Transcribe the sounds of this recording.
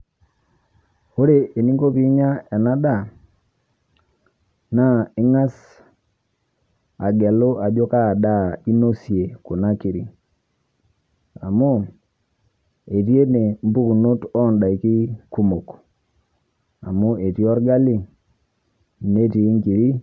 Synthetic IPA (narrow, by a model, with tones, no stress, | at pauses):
o˦ɾe˨ʔe˨ni˦ŋɡo˦pi˦ɲa˦ɛ˨na˦da˦˨ | na˦ɪ˦ŋa˦s | a˨ɡe˨lo˦a˨d͡ʒo˦ka˦˨da˦˨i˦no˦sje˨ko˨na˦ki˨ɾi˨ | a˨mu˦ | e˨tje˦ne˨m̩˦bu˦ku˨no˦tɔ˦˨nda˨i˨ki˦ku˦mo˨k | a̰˨mu˦e˨tjɔ˦ɾɡa˦li˦ | ne˦ti˨˦ŋɡi˨ɾi˦